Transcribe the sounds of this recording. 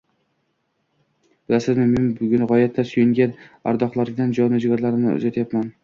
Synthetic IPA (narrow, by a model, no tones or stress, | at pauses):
bɪasɪzmʊmhɪmbʊɡʲʊnʁɒjat̪ʰːasʊjɪŋɡʲana̰ɾd̪ɒχlˠaɾɡʲd̪and͡ʒɒnɪd͡ʒɡʲaɾlaɾɪmnɪ̰ʊ̰zat̪ʰjapman